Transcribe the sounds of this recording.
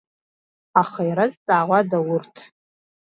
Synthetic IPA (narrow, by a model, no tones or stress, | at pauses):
aχaiɾazt͡sʼaːʁʷadawʊrtʰ